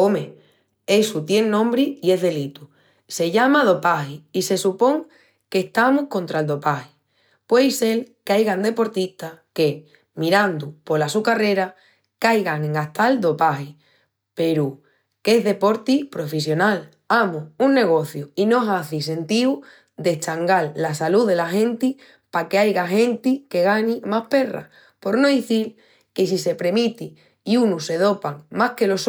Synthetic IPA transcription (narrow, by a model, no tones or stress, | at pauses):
omẽ | e̞sut̪je̞ŋnõmbɾiie̞ɦðe̞lit̪u | se̞ʝamað̞o̞pahiise̞supo̞ŋ | ke̞ht̪amuhko̞nt̪ɾald̪o̞pahi | pwe̞jse̞lkajɣand̪e̞po̞ɾt̪ist̪ake̞ | miɾand̪upo̞lasukare̞ɾa | kajɣaŋeŋaht̪ald̪o̞pahi | pe̞ɾu | ke̞zðe̞po̞ɾt̪ipɾo̞fes̬jo̞nal | amuunːe̞ɣ̞o̞θjuino̞saθis̬e̞nt̪iw | d̪e̞t͡ʃaŋɡalːasaluðe̞laxẽ̞nt̪i | pakeajɣaxẽ̞nt̪ike̞ɣanimahpe̞ra̰ | po̞ɾno̞ðiθil | ke̞s̬ise̞pɾe̞mit̪i | iunuse̞ðo̞paŋmahke̞lo̞s